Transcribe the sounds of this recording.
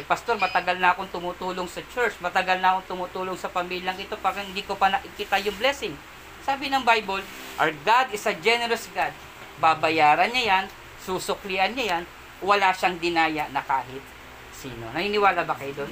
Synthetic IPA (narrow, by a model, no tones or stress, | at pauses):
pɐst̪o̞ɾmɐt̪ɐɡalnɐʔɐko̞ŋt̪ʊmut̪uːloŋsɐt͡ʃɛɹt͡ʃmɐt̪ɐɡalnɐɐkoŋt̪ʊmut̪uːlo̞ŋsɐpɐmiːljɐŋʔɪt̪o̞pakɛhɪnd̪ikopanɐʔɪkit̪ajʊŋblɛsɪŋ | saːbɪnɐŋbajbol | ʔɐɹɡad̪ɪsɐd͡ʒɛnɛɾɐsɡad̪̚ | babɐjaːɾɐnɲajan | susʊkliʔɐnɲajan | wɐlaʃaŋd̪ɪnaːjaʔnɐkaːɦɪt̪̚ | sḭːnonɐhinɪwaːlabɐkɐjd̪o̞n